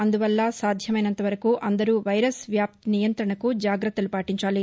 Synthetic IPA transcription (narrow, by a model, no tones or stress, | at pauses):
ɐnd̪uʋɐlːɐsaːd̪ʱjɐmɐjnɐnt̪ɐʋɐɾɐkuːʔɐnd̪ɐɾuːʋɐjɾɐsʋjaːp̚t̪inijɐnt̪ɾɐɳɐkud͡ʒaːɡɾɐt̪ːɐlupaːʈiɲt͡ʃaːli